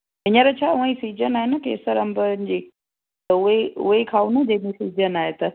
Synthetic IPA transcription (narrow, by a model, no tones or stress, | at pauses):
ɪɲəɾət͡ɕʰaːʊ̃ə̃ĩsiːd͡ʑənaːɦɪnəkḛːsəɾɐ̃mbənɪ̆d͡ʑiː | t̪ɐʊɦeʊ̰ɦekʰaːunɐd͡ʑemẽsiːd͡ʑənaːɦet̪ɐ